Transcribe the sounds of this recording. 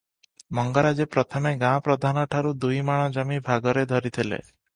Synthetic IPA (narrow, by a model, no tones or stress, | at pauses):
mɔŋɡɔɾad͡ʒepɾɔt̪ʰɔmeɡãpɾɔd̪ʱanɔʈʰaɾud̪ujmaɽ̃ɔd͡ʒɔmibʱaɡɔɾed̪ʱɔɾit̪ʰilḛ